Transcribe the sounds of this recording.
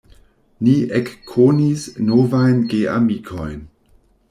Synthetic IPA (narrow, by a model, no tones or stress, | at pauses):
niekʰːonisnovajnɡea̰mikʰojn